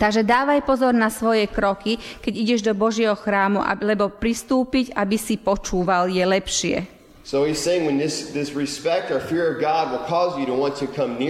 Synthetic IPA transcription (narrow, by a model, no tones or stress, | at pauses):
t̪aɡʒɛd̪aːʋajpɔzɔɾnasʋɔjɛkɾɔkikɛɟiɟɛʒd̪ɔbɔʒɪɛɦɔxɾaːmuʔa̰lɛbɔpɾist̪uːpiɟabisipɔt͡ʃuːʋaljɛlɛpʃɪɛ̰ | soʊiz̥seɪɪ̃ŋwɨ̃nðɪsðɪsɹispɛk̚tə˞fɪɹʌvɡɑd̚wɪlˠkʰɔzjɨɾəwɑ̃ntʰɨkʰʌ̃mnɪ